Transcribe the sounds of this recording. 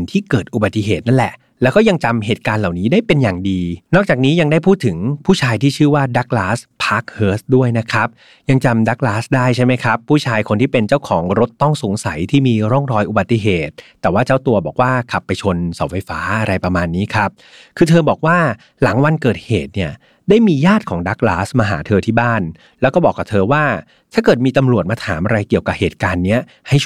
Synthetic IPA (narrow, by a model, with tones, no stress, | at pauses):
i˨nt̪ʰiː˥˩kɤː˨˩t̪̚ʔu˨˩ba˨˩t̪ːi˨˩˨ɦeː˨˩t̪̚na˥˩nlɛ̰˨˩ | lɛː˦˥wkɔː˥˩ja˧ŋt͡ɕa˧mɦeː˨˩t̪̚kaː˧nla˨˩wniː˦˥daː˥˩jpe˧njaː˨˩ŋdiː˧nɔ˥˩k̚t͡ɕaː˨˩k̚niː˦˥ja˧ŋdaː˥˩jpʰuː˥˩t̪ʰːɯ˨˩˦ŋpʰuː˥˩t͡ɕʰaː˧jt̪ʰiː˥˩t͡ɕʰɯː˥˩waː˥˩da˦˥k̚laː˦˥spʰaː˦˥k̚hɤː˦˥sdu˥˩əjna˦˥kʰɾa˦˥p̚ | ja˧ŋt͡ɕa˧mdaː˦˥k̚laː˦˥sdaː˥˩jt͡ɕʰa˥˩jma˦˥jkʰɾa˦˥pʰːuː˥˩t͡ɕʰaː˧jkʰo˧nt̪iː˥˩pe˧nt͡ɕa˥˩wkʰɔː˩˦ŋɾo˦˥t̪ːɔ˥˩ŋso˩˦ŋsa˨˩˦jt̪ʰiː˥˩miː˧ɾɔ˥˩ŋɾɔː˧jʔu˨ba˨˩t̪ːi˨˩ɦeː˨˩t̪ːɛː˨˩waː˥˩t͡ɕa˥˩wt̪u˧ɐbɔː˨˩k̚waː˥˩kʰa˨˩pːa˧jt͡ɕʰo˧nsa˩˦wfa˧jfaː˦˥ʔa˧ɾa˧jpɾa˧maː˧nːiː˦˥kʰa˦˥p̚ | kʰɯː˧t̪ʰɤː˧bɔː˨˩k̚waː˥˩ | la˩˦ŋwa˧nkɤː˨˩t̪̚heː˨˩t̪̚ni˥˩ɐ | daː˥˩jmiː˧jaː˥˩t̪̚kʰɔː˩˦ŋdaː˦˥k̚laː˦˥smaː˧ɦa̰ː˩˦t̪ʰɤː˧t̪ʰiː˥˩baː˥˩n | lɛː˦˥kɔː˥˩bɔː˨˩kːa˨˩p̚t̪ʰɤː˧waː˥˩ | t̪ʰaː˥˩kɤː˨˩t̪̚miː˧t̪a˧mɾu˨˩ət̪̚maː˧t̪ʰaː˩˦mʔa˧ɾa˧jki˨˩əwka˨˩p̚heː˨˩t̪̚kaː˧nːi˦˥ɐ | ha˥˩j